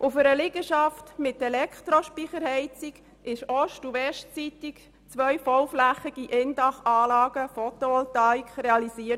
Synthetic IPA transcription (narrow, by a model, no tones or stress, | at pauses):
ʔʊfəɾəlɪɡ̥əʃɑftmɪt̪ːɛlɛkχt̪ɾoʃpiχəɾhɛɪt͡siɡ | ʔɪʃɔʃtuʋɛʃtt͡sit̪ik | t͡sʋœjfɔwflæχiɡ̥iʔɪndɑχɑːlɑːɡ̥əfɔt̪oɔlt̪ɑːikχɾeɑlisiət